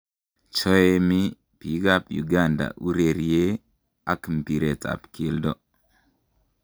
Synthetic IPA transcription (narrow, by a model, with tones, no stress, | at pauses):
t͡ʃɔ˦e˦mi˦ | pi˨ka˦pjṵ˨ɡa˦˨nda̰˨ʔu˦ɾe˨ɾie˦ | a˦kmpi˨ɾe˨ta̰˨pkʰi˦ldɔ˦